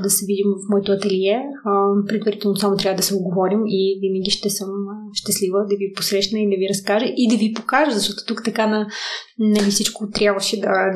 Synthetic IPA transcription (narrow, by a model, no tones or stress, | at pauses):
d̪ɐsɛvid̪imvɐfmɔɛt̪oɐt̪ɛlijɛpɾɛd̪vɐɾit̪ɛlˠnosamot̪ɾʲjavəd̪ɐsɛoɡovɔɾimivinəɡʲiʃt̪ɛsəmʃt̪ɛslivəd̪ɐviposɾɛʃnəid̪ɐviɾɐskaʒəʔid̪ɐvipokaʒəzɐʃt̪ɔt̪o̥t̪ukt̪ɐkanɐnɐvifsit͡ʃkot̪ɾʲjabvəʃɛd̪ɐ